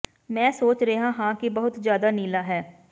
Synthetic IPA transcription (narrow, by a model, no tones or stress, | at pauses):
mɛ̃ːsoːt͡ʃɾeɦãːɦãːkɪbəɦʊt̪zjaːd̪aːniːlaːɦɛː